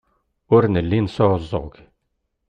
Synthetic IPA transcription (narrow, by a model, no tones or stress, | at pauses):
ʊɾnəlːinsoəzˤːo̰ʁɡ